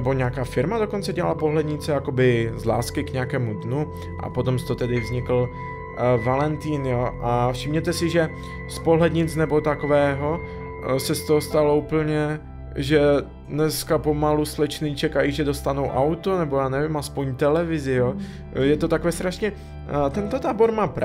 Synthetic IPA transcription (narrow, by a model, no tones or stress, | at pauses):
nɛbo̞ɲɛakaːfɪɾmado̞ko̞nt͡sɛɟɛa̰lapo̞ɦlɛdɲɪt͡sɛjako̞bɪzla̰ːskɪkɲɛakɛːmud̪nu | ʔa̰po̞t̪omst̪ot̪ɛdɪvzɲɪkl̩ | valɛnt̪iːnjoːʔafʃɪmɲɛt̪ɛsɪʒɛ | spo̞ɦlɛd̪ɲɪt͡snɛbo̞t̪akovɛːɦo̞ | sɛst̪oɦost̪alo̞upl̩ɲɛ | ʒɛ | dnɛskapo̞maluslɛt͡ʃnɪt͡ʃɛkajiːʒɛdo̞st̪anowʔawt̪onɛbojaːnɛvɪmaspoɲt̪ɛlɛvɪzɪjo | jɛt̪ot̪akovɛːst̪ɾaʃɲɛ | t̪ɛnt̪ot̪aːbo̞ɾmaːp